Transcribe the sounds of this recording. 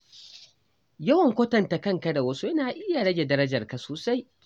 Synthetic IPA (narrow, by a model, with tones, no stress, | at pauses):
jɐ˦wɐ˨ŋkʷɐ˦tɐ˨nta˨kɐ˦ŋkɐ˦da˨wɐ˦su˦jɐ˦naː˨ʔɪ˦ja˨ɽɐ˦ɡʲe˨dɐ˦ɾɐ˦d͡ʒɐ˨rka˨soː˨sa˦j